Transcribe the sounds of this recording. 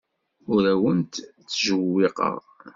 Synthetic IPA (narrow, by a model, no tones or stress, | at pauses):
ʊɾæwənt̪θːʒəwːɪqə̰ʁ